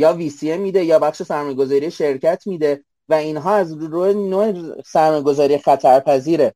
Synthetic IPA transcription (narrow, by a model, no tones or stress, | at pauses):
jɒːviːsiemiːd̪ejɒːbæχʃe̞sæɾmɒːjeɡo̞zɒːɾieʃe̞ɾcʰæt̪ʰmiːd̪e | væiːnɦɒːæzɾoːenoːesæɾmɒːjeɡo̞zɒːɾijexæt̪ʰæɾpʰæziːɾe